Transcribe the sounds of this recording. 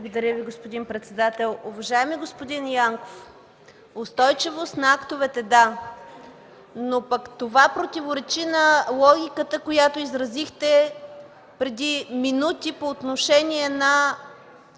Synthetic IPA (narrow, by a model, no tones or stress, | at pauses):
blˠɡod̪ɐɾʲəviɡospod̪inpɾɛt̪sɛd̪at̪ɛlˠʊvɐʒaɛmiɡospod̪injaŋko̥f | ost̪ɔjt͡ʃivost̪nɐakt̪ovɛt̪ɛd̪a | nopɐkt̪ovapɾot̪ʲivoɾɛt͡ʃinɐlˠɔɡʲikət̪əkojat̪oizɾɐzixt̪ɛ | pɾɛd̪iminut̪ipoːt̪noʃɛnʲiɛnɐ